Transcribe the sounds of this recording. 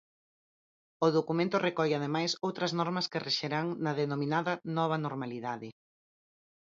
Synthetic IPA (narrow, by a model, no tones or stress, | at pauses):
ʊðokumẽnt̪ʊrekɔʎaðemajsowt̪ɾɐznɔɾmɐskɪreʃeɾaŋnɐðenomĩnaðɐnɔβ̞ɐnoɾmaliðaðɪ